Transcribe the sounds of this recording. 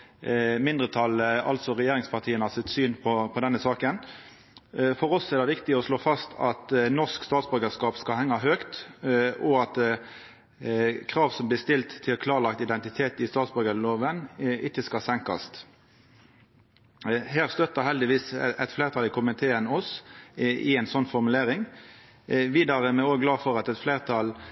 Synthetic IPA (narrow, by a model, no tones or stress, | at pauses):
mɪnd̪ʁət̪ʰɑlɑ̰lt̪sɔʁɛjeːɾɪŋspʰɑʁt̪ʰiːənəhɑsɪt̪syːnpʰɔpʰɔd̪ɛnːəsɑːkən | fɔʁɔsɛʁd̪ɛʋɪkt̪ɪɔsloːfɑst̪ʰɑt̪nɔʂkst̪ɑːt̪sbœɾɡəskɑːpskɑlhɛŋːɑɦøːkt̪ | ɔɑt̪ | kʰʁɑːʋsɔmblɪst̪ɪlt̪ʰːɪlkʰlɑːʁlɑkt̪ɪd̪ɛnt̪ɪt̪ʰeːt̪ɪst̪ɑːt̪sbœɡəloːʋənɪkːəskɑsɛŋkɑ̰st̪ | ɦæːʁst̪œt̪ːəhɛld̪ɪʋiːsɛt̪fleːʁt̪ʰɑlɪkʰʊmɪt̪ʰeːənɔsʔɪɛɪnsɔnːfɔʁmʉleːʁɪŋ | ʋiːd̪ɑʁəmɛoːɡlɑːfɔʁɑt̪ɛt̪fleːʁt̪ʰɑl